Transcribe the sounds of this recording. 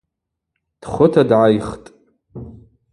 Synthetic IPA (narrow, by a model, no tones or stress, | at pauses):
d̥χʷʊtʰadʕajχtʼ